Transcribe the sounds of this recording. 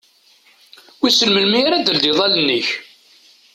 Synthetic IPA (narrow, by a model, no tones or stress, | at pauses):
wisəlməlmiɾæd̪əld̪iðˤɑlənːəç